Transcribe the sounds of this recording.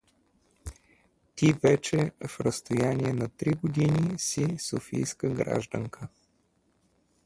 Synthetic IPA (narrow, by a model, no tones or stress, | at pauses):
t̪ivɛt͡ʃɛfɾəst̪ojanʲiɛnɐt̪ɾiɡod̪inisisofḭjskəɡɾa̰ʒd̪ə̰ŋkʰə